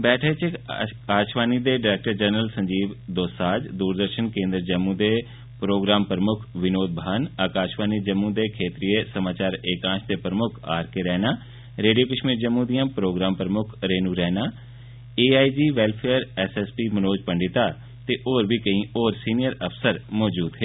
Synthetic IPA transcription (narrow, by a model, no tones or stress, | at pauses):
bɛːʈʰət͡ʃɪkaːʃʋaːnid̪eːɖɪɾɛːk̚ʈəɾd͡ʒənɾəlsə̃ɲd͡ʒiːʋd̪oːsaːd͡ʒd̪uːɾd̪əɾʃənkẽːnd̪ɾəd͡ʒəmːũd̪eː | pɾoːɡɾaːmpɾəmʊkʰʋɪnoːd̪̚bʱanaːkaːʃʋaːnid͡ʒəmːũd̪eːkʰeːt̪ɾiːesəmaːt͡ʃaːɾeːkãːt͡ʃd̪eːpɾəmʊkʰa̰ːɾkeɾɛːnaː | ɾeːɖiokəʃmiːɾd͡ʒəmːũːd̪ijãːpɾoːɡɾaːmpəɾəmʊkʰɾeːnuːɾɛːnaː | eːaːiːd͡ʒiːʋɛːlpʰeːəɾɛːsɛːspiːmənoːd͡ʒpəɳɖɪt̪aː | t̪eːʔoːɾbʱiːkəĩːoːɾsiːnɪjəɾəpsəɾmɔːd͡ʒuːd̪ɦeː